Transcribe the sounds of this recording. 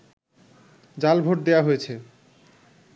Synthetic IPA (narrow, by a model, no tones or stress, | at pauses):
d͡ʑalbʱoʈ̚d̪eaɦojet͡ɕʰe